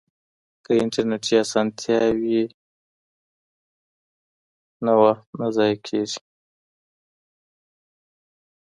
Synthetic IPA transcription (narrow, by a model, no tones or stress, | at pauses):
kəɪɳʈaɾneʈiasɑnt̪ʰjɑwi | nawaxt̪̚nazɑjkʰeʐi̥